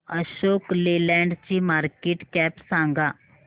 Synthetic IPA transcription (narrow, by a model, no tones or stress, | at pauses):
əɕoːklelɛ̃ɳɖt͡ɕimaːɾkeːʈkɛpsãŋɡa